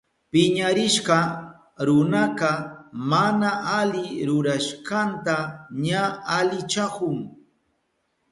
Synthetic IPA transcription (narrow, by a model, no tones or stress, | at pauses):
pɪɲaɾɪʃɢɑ | ɾʊnaqɑmanaʔalɪɾʊɾaʃɢɑnt̪aɲaalɪt͡ʃakʊŋ